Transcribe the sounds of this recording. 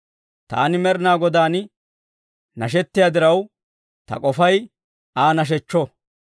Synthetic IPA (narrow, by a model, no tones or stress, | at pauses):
t̪a̰ːnɪmɛɾnaːɡɔd̪aːn | nɐʃ̬ɛt̪ːɪjad̪ɪɾɐw | t̪ɐ̰kʼɔfɐj | aːnɐʃ̬ɛt͡ʃːɔ